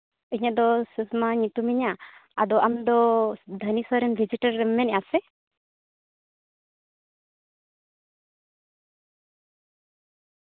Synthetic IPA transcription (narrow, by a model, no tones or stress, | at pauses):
iɲad̪ɔsəsmaɲit̪umɛɲaad̪ɔʔamd̪ɔd̪ʱənisaɾɛnbʱid͡ʒiʈaɾɛmːɛnɛjasɛ